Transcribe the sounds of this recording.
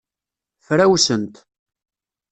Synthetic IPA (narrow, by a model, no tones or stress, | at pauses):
fɾæwsənt̪